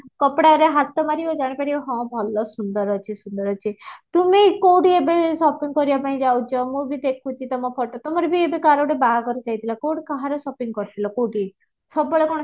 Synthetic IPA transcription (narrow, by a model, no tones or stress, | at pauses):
kɔpɽaɔɾeɦat̪ɔmaɾiod͡ʒaɽ̃ipaɾioɦɔ̃bʱɔlɔsund̪ɔɾɔt͡ʃʰisund̪ɔɾɔt͡ʃʰit̪umekowʈiebesɔpiŋkɔɾibapaɽ̃ĩd͡ʒawt͡ʃʰɔmũbʱid̪ekʰut͡ʃʰit̪ɔmɔpʰɔʈɔt̪ɔmɔɾebʱiebekaɾoɽebaakɔɾit͡ʃajt̪ʰilakowɽikaɦaɾɔsɔpiŋɡkɔɾt̪ʰilɔkowʈi | sɔbɔɭekɔɽ̃ɔ